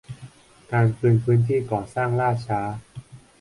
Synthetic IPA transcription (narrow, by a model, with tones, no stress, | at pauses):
kaː˧nkʰɯː˧ənpʰɯː˦˥nt̪ʰiː˥˩kɔː˨˩saː˥˩ŋɾaː˥˩t͡ɕʰaː˦˥